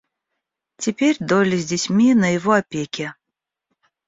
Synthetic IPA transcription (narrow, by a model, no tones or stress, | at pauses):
tʲɪpʲerʲd̪olʲɪzʲdʲɪtʲmʲinəjɪvoɐpʲekʲɪ